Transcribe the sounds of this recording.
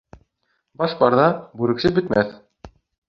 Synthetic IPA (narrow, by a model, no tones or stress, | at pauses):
bɑʃbɑɾðɑbʉɾɘ̆kʃɘbɘ̆t̪mæθ